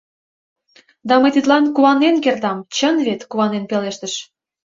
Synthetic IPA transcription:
d̪ɑməjt̪it̪lɑnkuɑnːenkert̪ɑmt͡ɕənβet̪kuɑnenpeleʃt̪əʃ

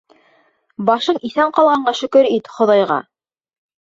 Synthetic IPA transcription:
bɑʃɤniθæɴqɑlˠʁɑɴɢɑʃɵ̆kɵɾit̪χŏðɑjʁɑ̰

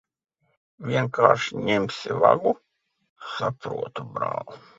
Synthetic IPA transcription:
vʲiɛŋkaːɾʃiɲemsʲiva̰ɡu | sapɾuɔt̪ubɾa̰ːlˠu

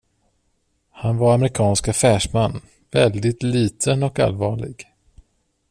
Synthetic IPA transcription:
hanvaɾamɾɪkʰɑːnskafæːʂmanː | vɛld̪ɪt̪liːt̪ʰənɔka̰lvɑːɭɪ̰ɡ

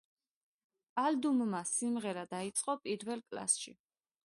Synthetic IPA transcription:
ald̪ummasimʁɛɾad̪ait̪sʼqʼɔpʼiɾvɛlˠkʼla̰sʃḭ

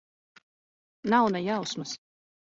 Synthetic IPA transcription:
nawnajawsmɨs

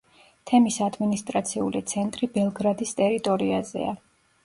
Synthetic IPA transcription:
t̪ʰɛmisad̪minist̪ʼɾat̪sʰiulit̪sʰɛnt̪ʼɾibɛlˠɡɾad̪ist̪ʼɛɾit̪ʼɔɾiazɛ̰a

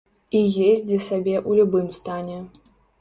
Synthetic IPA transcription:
ijezʲd͡zʲisabʲɛʔulʲubɨmst̪anʲɛ

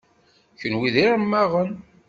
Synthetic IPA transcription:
çənwiðiɾəmːæʁən

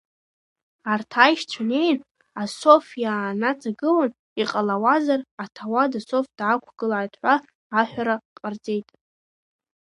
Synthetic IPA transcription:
artʰajʃt͡ʃʷʰane̞jn | aso̞fjaːnat͡sʼaɡɨlan | iqʼalawazaratʰawadasofd̥ʕakʷʰɡ̥ɨlaajtʼħʷaː | ħʷᶣaɾaqʼard͡zʼe̞jtʼ

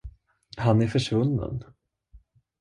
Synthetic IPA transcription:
hanæɾfœʂvɵnːə̰n

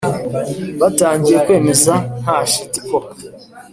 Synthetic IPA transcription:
βataːɲɟijekwe̞ːme̞zan̥haʃitiko

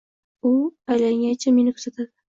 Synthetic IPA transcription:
ʊajlaŋʲant͡ʃʰame̞nɪkʰʊɾzat̪ʰad̪ɪ

